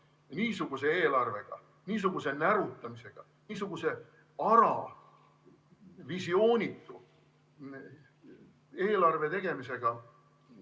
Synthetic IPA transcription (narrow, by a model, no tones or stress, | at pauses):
niːsuɡ̥use̞eːlɑrve̞ɡ̥ɑ̰ | niːs̬uɡ̥use̞næɾut̪ːˑɑmise̞ɡ̥ɑ̰ | niːs̬uɡ̥use̞ | ɑɾɑ̰ | visio̞ːnʲit̪ːˑu | eːlɑrve̞t̪e̞ɡ̥e̞mise̞ɡ̥ɑ